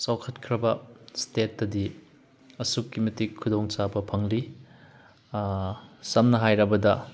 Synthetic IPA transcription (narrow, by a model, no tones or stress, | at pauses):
sawkʰɐt̚kʰɾɐbɐstetːɐdi | ɐsukːimɐtikʰːudoŋt͡ʃabɐpʰɐŋli | sɐmnɐɦajɾɐbɐdɐ